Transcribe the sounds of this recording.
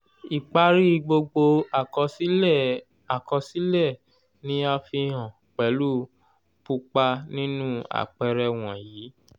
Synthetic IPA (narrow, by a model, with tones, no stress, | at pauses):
i˨k͡pa˧ɾi˦˧ɡ͡bo˧ɡ͡bo˧a˨kɔ˧si˦˨ | a˨kɔ˧si˦lɛ˦˨ | nĩ˦a˧fi˧ɦã˨ | k͡pɛ˨˦lu˦ | pu˧k͡pa˧nĩ˦nũ˦a̰˨k͡pɛ˧ɾɛ˧w̃ɔ̃˨jiː˨˦